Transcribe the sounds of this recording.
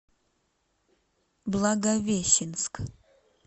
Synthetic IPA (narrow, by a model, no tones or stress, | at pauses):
blˠɐɡɐvʲeɕɪnsk